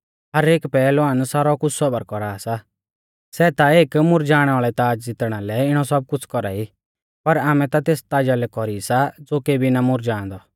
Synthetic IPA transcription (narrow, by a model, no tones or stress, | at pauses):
ɦɐɾeːkpɛːloãːnsaːɾɔkʊt͡sʰsɔbɐɾkɔɾaːsa | sɛt̪aeːkmʊɾd͡ʒaːɽ̃ɛaːɭɛt̪aːd͡ʒd͡zɪt̪ɽ̃alɛɪɽ̃ɔsɐb̚kʊt͡sʰkɔɾa̰i | pɐɾaːmɛ̃t̪at̪eːst̪aːd͡ʒalɛkɔɾisad͡zoːkeːbʱinamʊɾd͡ʒãːnd̪ɔ